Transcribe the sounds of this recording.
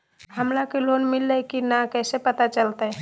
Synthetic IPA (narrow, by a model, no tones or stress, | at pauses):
həmlakelonmilːəkinakɛjsepət̪at͡ʃəlt̪əj